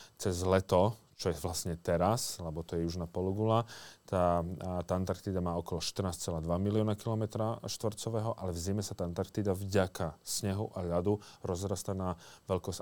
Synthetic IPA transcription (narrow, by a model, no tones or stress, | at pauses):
t͡sɛzlɛt̪ɔ | t͡ʃɔjɛʋlasɲɛt̪ɛɾaslɛbɔt̪ɔjɛjuʒnapɔluɡulat̪aːt̪ant̪aɾkt̪iːd̪amaːɔkɔlɔʃt̪rnaːst͡sɛlaːd̪ʋamiliɔːnakilɔmɛt̪ɾaʃt̪ʋr̩t͡sɔʋɛːɦɔʔalɛvzimɛsat̪ant̪aɾk̚t̪iːd̪avɟakasɲɛɦuʔaʎad̪uɾɔzɾast̪anaːʋɛʎkɔs